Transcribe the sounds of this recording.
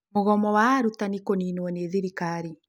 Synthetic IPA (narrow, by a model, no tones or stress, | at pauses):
moɣɔmɔwaːɾutanikoniːnwɔneːðiɾikaːɾi